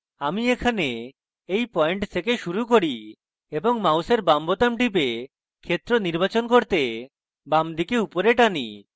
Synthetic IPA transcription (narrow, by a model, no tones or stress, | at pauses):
amiekʰane | ejpɔeɳʈt̪ʰekeʃuɾuk̬oɽi | eboŋmawseɾbambot̪amʈip̬e | kʰet̪ɾoniɾbat͡ɕonkoɾt̪e | bamd̪ikeupoɾeʈanḭ